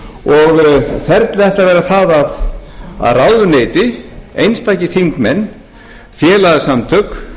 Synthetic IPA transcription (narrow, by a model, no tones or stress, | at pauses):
ɔɣθɛɾt̪lɛht̪avɛːɾaθaðaða̰ðrawðʏneːjt̪ɪejnst̪aːjcɪθiŋkmɛnː | fjɛːlaðɪsamt̪ʰœk